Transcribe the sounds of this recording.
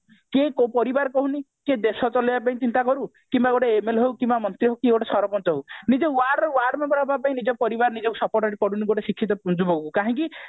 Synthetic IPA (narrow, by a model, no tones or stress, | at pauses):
kekopɔɾibaɾkɔɦuni | ked̪esɔt͡ʃɔlibapaĩt͡ʃint̪akɔɾu | kimbaɡoʈeemelɦewkimbamɔnt̪ɾiɦɔkieɡoʈesɔɾɔpɔnt̪ɔɦewnid͡ʒewaɾɖwaɾɖmebɔɾɦɔbapaĩnid͡ʒɔpɔɾibaɾnid͡ʒɔkusɔpɔɾʈɔʈikɔɽuniɡoʈesikʰːit̪̬ɔpund͡ʒubɔɡkukaɦĩki